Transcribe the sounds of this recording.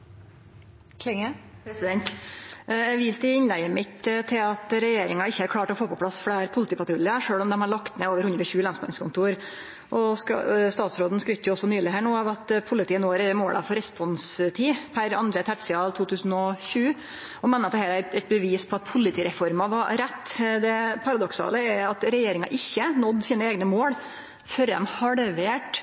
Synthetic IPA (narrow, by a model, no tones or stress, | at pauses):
k̪ʰɪŋəpɾɛsɪd̪ɛnt̪ | ɛʋiːst̪ɪɪnlæɪəmɪt̪t̪ʰɪlɑt̪ɾɛjeːɾɪŋɑɪçːəhæɾkʰlɑːʈɔfoːpʰɔplɑsfɽæːɾpʰʊlɪt̪iːpɑt̪ʰɾʊlɪɑʂøːɭɔmd̪ɛmhɑɭɑkt̪mɛoːʋəɾhʉnɾɔçʉːəlɑnsmɑnskʰʊnt̪ʰuːɾ | ʔɔskst̪ɑːt̪sɾoːd̪n̩skɾʏt̪ːəjʊɔsːɔnyːlɪɦæːɳuːɑʋɑt̪pʰʊlɪt̪iːənoːɾɛmoːlʔɑ̰fɔɾɛspɔnst̪ʰiːpʰæɾɑnd̪ɾət̪ʰæʈsɪɑlt̪ʰuːt̪ʰʉːsn̩ɔɕʉː | ɔmɛnːɑt̪̚hæːɾæɛt̪̚bəʋiːspʰɔɑt̪pʰʊlɪt̪ʰiːɾɛfɔɾmɑʋɑɾɛt̪ːd̪ɛpʰɑɾɑd̪ɔksɑ̰ːləɛɾɑt̪ɾɛjeːɾɪŋɑ̰ʔɪçːənɔd̪siːnəeːɡnəmoːɽ | fœɾd̪ɛ̰mhɑɽʋeːʈ